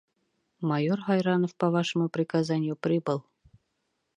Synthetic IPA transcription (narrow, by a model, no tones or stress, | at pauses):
mɑjorʁɑjɾɑnofpɐvɑʃə̆mupɾʲɪkazanʲɪjupɾʲibɤlˠ